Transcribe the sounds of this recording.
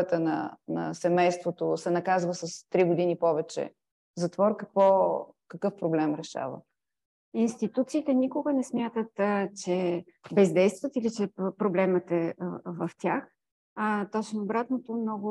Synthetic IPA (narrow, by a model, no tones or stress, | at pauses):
ət̪ənɐ̰nɐ̰sɛmɛjst̪vot̪osɛnɐkazvəsɐst̪ɾiɡʊd̪inipɔvɛt͡ʃɛ̰ | zɐt̪vɔɾkəkvɔ | kɐkɤfpɾoblɛmɾɛʃa̰və̰ | inst̪it̪ut̪siːt̪ɛnikʊɡənɛsmʲjat̪ət̪t͡ʃɛ | bɛzd̪ɛjst̪vət̪ilit͡ʃɛpɾoblɛmət̪ɛvɐft̪ʲjax | t̪ɔt͡ʃnoːbɾat̪not̪omnɔɡʊ